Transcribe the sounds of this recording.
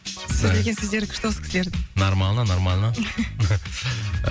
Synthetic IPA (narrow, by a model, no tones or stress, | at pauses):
soleɡʲensɪzle̞ɾkʲʰʊ̥ɾt̪osə̥kʰʲɪ̥slʲeɾd̪ɪnoɾmalˠnənoɾmalˠnə